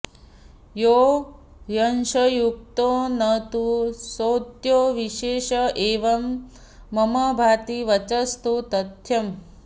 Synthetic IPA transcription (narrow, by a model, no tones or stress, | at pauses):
joː | jɐnʃɐjuk̚t̪oːnɐt̪usoːt̪joːʋiʃeːʃɐʔeːʋɐmː | ɐmɐbʱaːt̪iʋɐt͡ʃɐst̪ut̪ɐt̪jɐm